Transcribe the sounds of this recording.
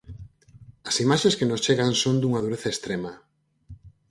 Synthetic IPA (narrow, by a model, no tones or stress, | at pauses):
ɐsimaʃẽskenost͡ʃeɣansond̪uŋaðuɾeθaest̪ɾemɐ